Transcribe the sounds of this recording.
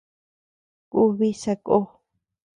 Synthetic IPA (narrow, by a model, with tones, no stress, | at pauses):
ku˦βi˦sa˧ko˦